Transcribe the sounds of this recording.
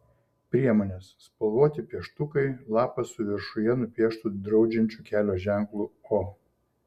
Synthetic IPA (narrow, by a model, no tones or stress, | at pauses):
pʲɾʲiɛmoːnʲesːpɐlˠʋoːt̪ʲɪpʲiɛʃt̪ʊkɐɪlˠɑːpɐsʊʋʲɪɾʃʊjɛnʊpʲiɛʃt̪ʊd̪ɾɒʊd͡ʒʲɛnʲt͡ʃʲuːkʲæːlʲoːʒʲæˑŋklˠʊoː